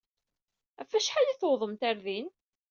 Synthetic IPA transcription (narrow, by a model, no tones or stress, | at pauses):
æfːæʃħaliθowðˤəmt̪aɾðin